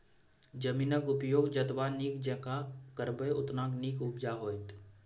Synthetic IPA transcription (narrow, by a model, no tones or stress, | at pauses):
d͡ʒəmiːnəkʊpjoːɡd͡ʒət̪ʋanikd͡ʒɛkakəɾbəjʊ̰t̪naːkniːkʊbd͡ʒaɦoːjt̪